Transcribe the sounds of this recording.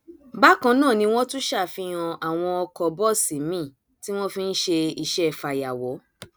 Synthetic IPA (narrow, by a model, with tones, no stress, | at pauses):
ba˦kã˧nãː˦˨nĩ˧w̃ɔ̃˦tũ˦ʃa˦˨fi˧j̃ã˧a˨w̃ɔ̃˧ɔ˧kɔ˧bɔ˦˨si˨mĩ˦˨ | ti˦w̃ɔ̃˦fĩ˧n̩˦ʃe˧i˧˨ʃɛ˦˨fa˨ja˨wɔ˨˦